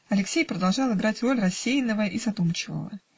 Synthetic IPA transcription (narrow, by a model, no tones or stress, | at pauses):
ɐlʲɪksʲejpɾəd̪ɐlˠʐɑlˠɨɡɾatʲro̞lʲrɐsʲːejnəvəʔizɐt̪umt͡ɕɪvə̰və̰